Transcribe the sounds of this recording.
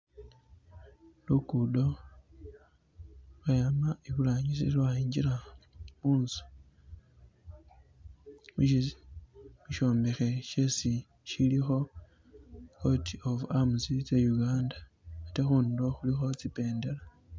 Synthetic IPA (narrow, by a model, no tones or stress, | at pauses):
lukudo̞ | βajamaiβulaɲisilβaiːɲɟiɾamuːnzu̥ | muʃ | muʃo̞ːmbexe̞ʃesi | ʃilixo̞ | ko̞tʰiofamuzit͡sejuɡaːnda | atexuːndoxulixo̞t͡sipe̞ːnde̞la